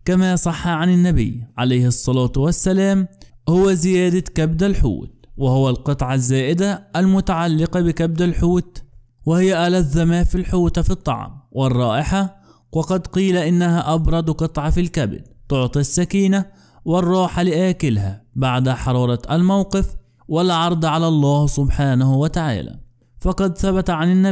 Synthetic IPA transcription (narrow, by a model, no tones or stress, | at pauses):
kamasˤɑħːɑʕanɪnːabɪ̰jːʕalajhsˤːɑlɑːt̪ˤwasːalaːmhʊwazɪjæːd̪akabd̪alħṵːt̪̚wɪhʊwalqɨt̪ˤʕɑzːaːʔɪd̪aʔːlmʊt̪aʕalːɪqɑbɪkab̚d̪alħuːt̪ | wɪhɪjːaʔalaðːamafilħuːt̪fit̪ˤːɑ̰ʕ̰mwɪrˤːɑːʔɪħa | wɑqɑd̪qiːlaʔɪnːahaʔɑbɾˤɑd̪ˤqɨt̪ˤʕɑfilkabɪd̪̚t̪ʊʕt̪ˤisːakiːna | wɪrˤːɑːħalɪʔaːkɪlhæbaʕd̪aħɑɾˤɑːɾˤɑʔalmawqɨf | wɪlʕɑɾˤd̪ˤʕalalˤːɑːhsʊbħaːnahwat̪aʕa̰ːlæ̰ː | fɑqɑd̪θabat̪ʕanɪnːa